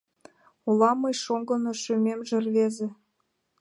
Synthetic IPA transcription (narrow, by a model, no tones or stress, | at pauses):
ulɑmːɤjʃoŋɡɤ̆noʃømemʒĕrβezĕ